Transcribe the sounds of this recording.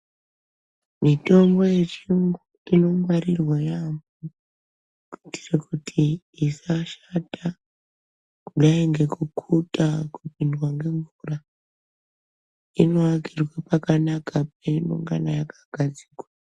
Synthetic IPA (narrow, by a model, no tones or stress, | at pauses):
mito̞mbo̞je̞t͡ʃiŋɡuuino̞maɾirwajamu | kiti̥rekutʰiː | saʃata | kuɗaeŋɡe̞kukʰutakupindwaŋɡe̞ɱvura | ino̞akirwapakanakapemṵŋɡa̰najakaɡ̥ʱad͡zi̥kwa